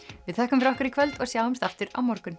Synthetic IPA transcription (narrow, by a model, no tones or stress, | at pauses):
vɪðθɛhkʏmfɾɔhkaɾikʰvɛlt̪ɔɣsjaːwʏmst̪aft̪ʏɾa̰wmɔɾkʏn